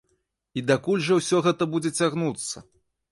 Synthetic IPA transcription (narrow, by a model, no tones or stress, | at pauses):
id̪akulʲʐɐwsʲɔɣɛt̪ɐbud͡zʲɛt͡sʲaɣnut̪sːɐ